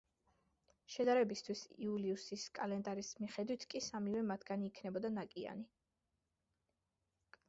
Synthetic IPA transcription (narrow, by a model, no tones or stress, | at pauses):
ʃɛd̪aɾɛbist̪ʰwisḭuliusiskʼalɛnd̪aɾismiχɛd̪wit̪ʰkʼisamivɛmat̪ʰɡaniːkʰnɛbɔd̪anakʼia̰ni